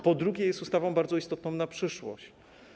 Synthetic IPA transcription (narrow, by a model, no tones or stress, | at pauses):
pɔd̪ɾuɡʲjɛjɛst̪ust̪avɔ̃w̃baɾd̪zɔist̪ɔt̪̚nɔ̃w̃napʂɘʂwɔ̰ɕt͡ɕ